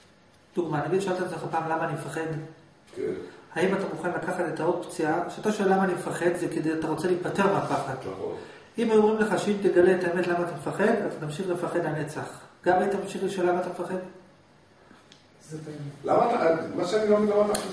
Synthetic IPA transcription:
d̥uɡmanaɡid̪ʃealt̪emzeχapaːmlamaːnimefaχe̞d | kḛnhaimatamuχanlakaχatetaod̚pt͡siaʃat̪aʃoelamaːnimefaχe̞d̪zeked̪ejat̪aʁo̞t͡se̞liːpate̞ʁmeapaχad̪̰o̰ | imajomʁimleχaʃeimt̪eɡale̞ːtaeme̞tlamaːt̪amefaχe̞d̪atat̪amʃiχle̞faχe̞dane̞t͡saχɡ̥amajt̪amamʃiχleʃoelamat̪amefaχe̞d̪ | zelamatamaʃeaniɡamniɡamat̪a

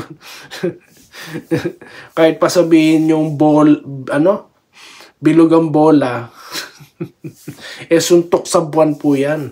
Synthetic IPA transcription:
kaːhɪt̪̚pɐsɐbiːhɪnjʊŋbolʔɐno̞ | bɪlʊɡɐŋboːla | ʔɛsʊnt̪ok̚sɐbʊanpʊjan

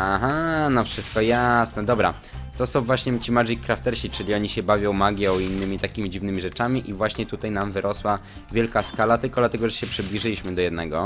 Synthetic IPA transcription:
aɦanɔfʂɘst̪̚kɔjasnɛd̪ɔbɾa̰ | t̪ɔsɔ̃w̃vwaɕɲɛt͡ɕimaʐikːɾaft̪ɛɾɕit͡ʂɘlʲiɔɲiɕɛbavʲjɔ̃w̃maɡʲjɔ̃winːɘmʲit̪akʲimʲid͡ʑivnɘmʲiʐɛt͡ʂamʲiʔivwaɕɲɛt̪ut̪ajnamvɘɾʔɔswa | vʲjɛlkaskalat̪ɘlkɔd̪lat̪ɛɡɔʐɛɕɛpʂɘblʲiʐɘlʲiɕmɘd̪ɔjɛd̪nɛɡɔ

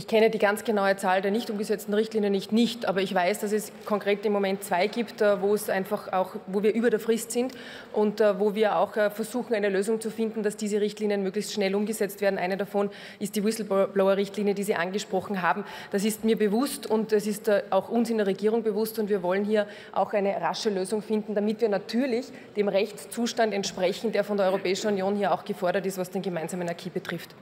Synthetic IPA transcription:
ʔɪçkʰɛnədiːɡant͡sɡ̥ənaʊət͡saːldeːɐnɪçtʊmɡəzɛt͡stn̩ʁɪçtliːnjənːɪçtnɪçtʔaːbɐɪçv̥aɪsd̥as̬ɛs | kʰɔŋkʁ̥eːtɪmːomɛ̃nt̚t͡sv̥aɪɡiːptɛːvoːɛsʔaɪnfaxaʊxvoːviːɐʔyːbɐɾeːɐfʁɪstsɪnt | ʔʊntːvoːviːɐa̰ʊxɛfɛɐzuːxŋ̩aɪnəløːzʊŋt͡sufɪndn̩dasd̥iːzəʁɪçtliːnijənmøːɡlɪçstʃnɛlʊmɡəzɛt͡stv̥eːɐn̩ʔa̰ɪnədafɔn | ʔɪstd̥iːwɪsl̩bblaʊɐʁɪçtliːnjədiːziːʔanɡəʃpʁ̥ɔxn̩ɦaːbm̩ | d̥as̬ɪstmiːɐbəvʊstʊntɛsɪstːʔaʊxʊnsɪndeɐʁeɡiːʁʊŋbəvʊstʊntv̥iːɐvɔlənhiːɐ | ʔa̰ʊxaɪnəʁaʃəløːzʊŋfɪndn̩d̥amɪtviːɐnatʰyːɐlɪç | d̥eːmʁɛçt͡st͡suːʃtandɛntʃpʁ̥ɛçŋ̩d̥eːɐfɔndeɐɔʏʁopɛːɪʃn̩unjoːnhiːɐaʊxɡ̥əfɔɐɾɐtɪstvasd̥eːnɡəmaɪnz̥aːmənakʰiːb̥ətʁ̥ɪft

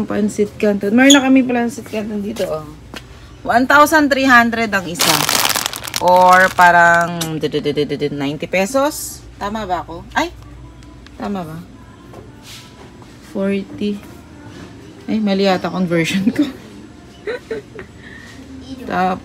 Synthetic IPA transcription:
ŋpɐnsɪt̪̚kant̪onmɐnɐkɐmɪŋpɐlansɪt̪̚kant̪ond̪iːt̪oʔo | want̪awsɐnt̪ɾiːɦand̪ɾɛd̪ɐŋʔɪsa | ʔoɹpaːɾɐŋd̪ɛd̪d̪ɛd̪ɛd̪ɛd̪ɛnajnt̪ɪpɛsos | t̪aːmɐbɐɐko̞ʔɐj | t̪aːmɐbɐ | foɹt̪i | ʔɐjmɐlɪjaːt̪ɐkoŋvɛɹʃonko | t̪aːp

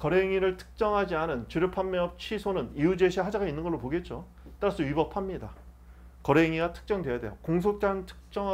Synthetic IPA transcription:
kʌɾeŋiɾɯɭtʰɯ̥k̚t͡ɕ͈ʌŋɦad͡ʑianɯnt͡ɕɯɾɯpʰamːeʌp̚t͡ɕʰisʰonɯniud͡ʑe̞ɕʰiɦad͡ʑaɡainːɯnɡʌɭːopoɡe̞t̚t͡ɕ͈o | t͈aɾas͈ʰɯɥibʌpʰamɲida | kʌɾeŋiɡatʰɯ̥k̚t͡ɕ͈ʌŋdwe̞jadwe̞jokoŋsʰok̚t͡ɕ͈antʰɯ̥k̚t͡ɕ͈ʌŋ

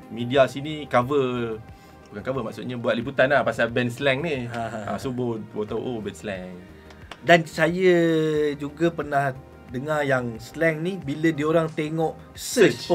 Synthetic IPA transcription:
midiasinikavə | bukankavəma̰ʔsut̪̚ɲəbuat̪ʔ̪̚liput̪anahpasabɛnslɛŋniaã̰subobot̪awʔobɛnslɛŋ | dansajəd͡ʒuɡapərnah | dəŋajaŋslɛŋnibilədiəoɾaŋt̪eŋɔʔ | sət͡ʃ

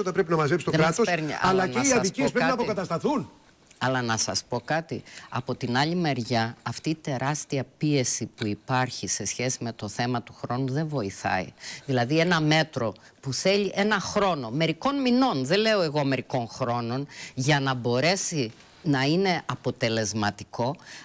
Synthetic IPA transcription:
ot̪ɐpɾe̞p̬inɐmɐzepsi̥t̪oekɾmɐtsospeɾɲḭɐlɐneiɐðipiespɾepɐnɐpokɐt̪ɐst̪ɐθun | ɐlɐnɐsɐspo̞kɐt̪iɐpo̞t̪inɐʎime̞ɾʝɐɐft̪iːt̪e̞ɾɐst̪iɐpie̞sipuipɐɾçise̞sçe̞sime̞t̪o̞θe̞mɐt̪u̥xɾo̞nuðe̞ɱvo̞iθɐ̰ḭðilɐðie̞nɐme̞t̪ɾo̞ | puθe̞ʎiʔe̞nɐxɾo̞no̞me̞ɾiko̞nmino̞nðe̞le̞o̞e̞ɣo̞me̞ɾiko̞nxɾo̞no̞nʝɐnɐbo̞ɾe̞si | nɐine̞ʔɐpo̞t̪e̞le̞zmɐt̪i̥ko̞

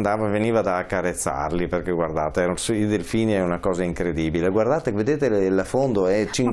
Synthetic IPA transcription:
nd̪aːvaveniːvad̪aːkːaɾet̪sːa̰rliperkeɡward̪a̰ːt̪eɛsild̪elfiːneɛunakɔːzaiŋkɾed̪iːbileɡward̪aːt̪eved̪eːt̪elfond̪oɛt͡ʃiŋ

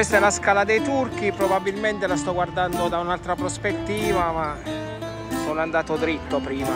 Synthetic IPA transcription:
est̪aɛlaskaːlad̪ɛjt̪urk̟ipɾobabːilment̪elast̪ɔɡward̪and̪od̪aunalt̪ɾapɾospet̪ːiːvama | soːnoand̪aːt̪od̪ɾit̪ːopɾiːma

